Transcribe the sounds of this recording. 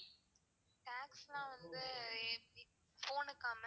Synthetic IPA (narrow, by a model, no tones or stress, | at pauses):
ʈaːkslãːʋɐnd̪ɯ | foːnɯkːaːm